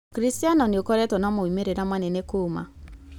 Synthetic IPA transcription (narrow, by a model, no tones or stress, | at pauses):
kɾistianɔniokɔɾɛtɔnɔmoimeɾenamanenekoma̰